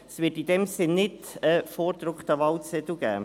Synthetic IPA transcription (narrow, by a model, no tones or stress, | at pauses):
svɪtid̥ɛmsɪnːɪd | əfoːɾd̪ɾʊkχt̪əʋɑlt͡sɛt̪l̩ɡ̥æ̰ː